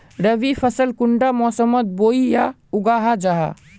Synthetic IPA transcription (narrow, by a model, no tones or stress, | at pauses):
ɾɐʋifʰɐsəlkʊɳɖamɔːsəmət̪̚boːija | ʊɡaːɦad͡ʒaɦa̰